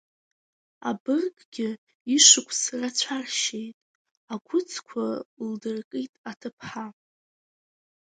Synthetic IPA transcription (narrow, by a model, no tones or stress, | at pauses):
a̰bɨrkʼɡʲɪ | iʂɨkʷʼʰsrat͡ɕʷʰarʃejtʼ | akʷʰʊt͡sʰkʷʰaldɨrkʼitʼatʰɨpʰħa